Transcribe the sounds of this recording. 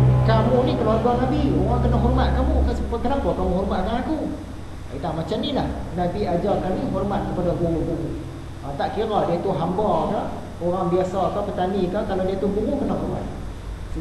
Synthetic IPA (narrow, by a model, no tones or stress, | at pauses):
kamunikəluaɡuaŋnabioɣaŋkənɔʔɦɔrmat̪̚kamukasəpkənapɔkamuɦɔrmat̪kaaku | it̪amat͡ʃamnilahnabiad͡ʒakaniɦɔrmat̪̚kəpadabuŋuɡuŋu | at̪aʔkiɾadiat̪uɦambɔka | oɣaŋbiasɔkapət̪anikakaladiat̪ubuŋukənɔʔɦɔrma̰t̪̚ | s